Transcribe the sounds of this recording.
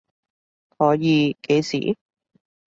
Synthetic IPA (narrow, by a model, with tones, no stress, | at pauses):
hɔː˨˥jiː˨˧ke˨˧jsḭː˨˩˦